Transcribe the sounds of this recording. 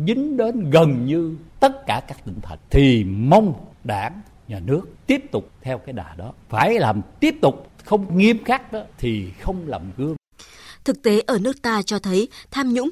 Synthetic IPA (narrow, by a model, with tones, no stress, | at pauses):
zï˨˦ŋ̟ɗe˨˦nɣə˨˩nɲɨ˧t̪ə˦˥t̚kaː˧˩kaː˦˥k̚t̪ï˧˩ŋ̟t̪ʰə̰˨˩nt̪ʰi˨˩mə˧wŋ͡mɗa̰ː˧˩n | ɲaː˨˩nɨ˦˥ək̚t̪i˦˥əp̚t̪ʊ˨˩k͡p̚t̪ʰɛ˧wkaː˨˦jɗaː˨˩ɗɔ˨˦faː˧˩jlaː˨˩mt̪i˦˥əp̚t̪ʊ˨˩k͡p̚xə˧wŋ͡mŋi˧əmxaː˦˥k̚ɗɔ˨˦t̪ʰi˨˩xə˧wŋ͡mlaː˨˩mɣɨ˨˦ə | t̪ʰɨ˨˩k̚t̪e˨˦ʔəː˧˩nɨ˦˥ək̚t̪aː˧t͡ɕɔ˧t̪ʰə˨˦jt̪ʰaː˧mɲʊ̰˧˥ŋ͡m